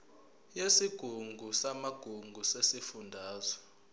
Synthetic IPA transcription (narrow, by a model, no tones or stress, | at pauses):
jesiɡ̥ʱuŋɡʱusamaɡ̥ʱuŋɡʱusesifundʱaːzɔ